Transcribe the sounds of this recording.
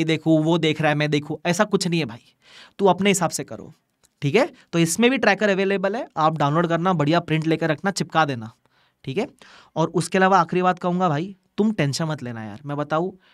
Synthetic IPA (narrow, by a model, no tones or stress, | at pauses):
id̪eːkʰũʋod̪eːkʰɾaaɦɛmɛ̃d̪eːkʰũɛːsakʊt͡ʃʰnɐɦĩɦɛbʱaːi | t̪uɐpneɦɪsaːbsekɐ̰ɾo̰ː | ʈʰiːkɦɛːt̪oːɪsmẽbʱiʈɾɛːkəɾɐʋeːleːbəlɦɛaːp̚ɖãːʊnloːɖkɐɾnabɐɽ̤ijapɾɪ̃ɳʈleːkeɾɐkʰnat͡ʃɪpkad̪eːnaː | ʈʰiːkɦɛː | ɔːɾʊskeɐlaːʋaːxɾibaːt̪̚kɐɦũːŋɡabʱaːit̪ʊmʈɛ̃ːnʃə̃nmɐt̪leːna̰ja̰ːɾmɛ̃ːbɐt̪aːũ